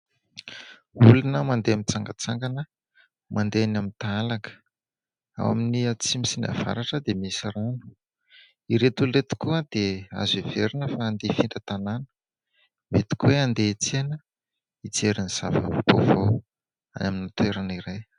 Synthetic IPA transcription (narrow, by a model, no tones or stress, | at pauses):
ulunəmand̪eamint͡saŋɡat͡saŋɡanə | mʔand̪eanamint̪aalakə̥ | a̰wa̰miniat͡simisina̰va̰ɾaʈ͡ʂəd̪emisiranu̥ | iɾet̪ulret̪i̥kuəd̪ea̰zeveɾinəfaːnd̪efiɳɖ͡ʐət̪ananə̥ | met̪i̥kweand̪et͡senə | it͡seɾiniz̥ava̰vbo̰vow | a̰naminit̪weɾaniɾaj